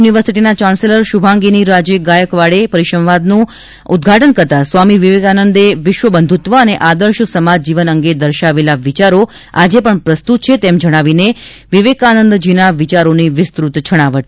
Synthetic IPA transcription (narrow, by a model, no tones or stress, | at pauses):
uniʋəɾsiʈinat͡ʃanseləɾʃubʱãŋɡiniɾad͡ʒəɡajəkʋaɭepəɾiʃəmʋad̪nũ | ud̪̚ɡʱaʈənkəɾt̪asʋamiʋiʋekanənd̪eʋɪʃʋəbənd̪ʱut̪ʋəːneʔad̪əɾʃsəmad͡ʒd͡ʒiʋənəŋɡed̪əɾʃaʋelaʋit͡ʃaɾo | ad͡ʒepəɳpɾəst̪ut̪̚t͡ʃʰet̪emd͡ʒəɽ̃aʋine | ʋiʋekanənd̪d͡ʒinaʋit͡ʃaɾoniʋɪst̪ɾut̪t͡ʃʰəɽ̃aʋəʈ